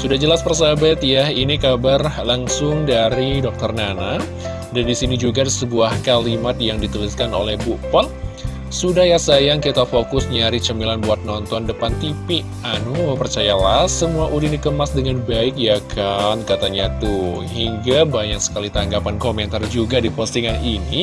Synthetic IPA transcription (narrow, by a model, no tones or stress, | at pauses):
sudahd͡ʒəlaspərsabat̪jainikabarlaŋsʊŋdaɾidɔk̚t̪ərnana | dandisinid͡ʒuɡasəbuahkalimat̪̚jaŋdit̪uliskano̰lɛhbuʔpɔt̪̚ | sudahjasajaŋkit̪afokʊsɲaɾit͡ʃəmilanbuat̪̚nɔnt̪ɔndəpant̪ipiʔʔanuməpərt͡ʃajalahsəmuaʔudinikəmasdəŋanbaɪk̚jakʰankat̪aɲat̪u | ɦiŋɡabaɲaŋsə̥kalit̪aŋɡapankomɛnt̪ard͡ʒuɡadipɔst̪iŋanini